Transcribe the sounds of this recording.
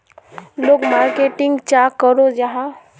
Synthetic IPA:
loːɡmaɾkeʈɪŋɡt͡ʃakəɾod͡ʒaɦã

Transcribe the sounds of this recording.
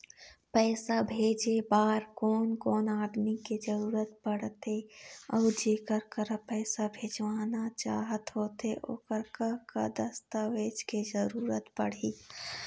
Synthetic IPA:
pɛːsabʱeːd͡ʒebaːɾkɔːnkɔːnaːd̪miked͡ʒəɾuːɾət̪pəɽ̤t̪eɔːd͡ʒeːkəɾkəɾpɛːsabʱeːd͡ʒʋaːnat͡ʃa̰ːɦət̪ɦoːt̪eʔo̰ːkəɾkəkəd̪əst̪aːʋeːd͡ʒked͡ʒəɾuːɾət̪pəɽ̤iː

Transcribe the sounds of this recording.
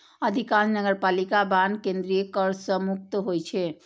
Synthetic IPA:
əd̪ʱikãnnəɡəɾpalikabankẽnd̪ɾijəkəɾsəmuk̚t̪ɦojt͡ʃʰɛ

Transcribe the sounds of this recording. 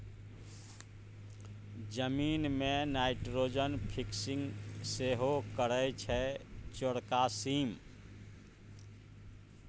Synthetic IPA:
d͡ʒəmiːnmenaɪʈɾod͡ʒənpʰiksĩŋɡseɦokəɾət͡ʃʰɛt͡ʃoɽkasiːm

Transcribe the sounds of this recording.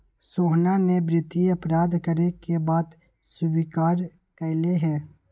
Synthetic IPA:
soːɦnanebɾɪt̪iɐpɾaːd̪kəɾekebaːd̪ | sʊbikaːɾ | kəɪleɦɛ̃ː

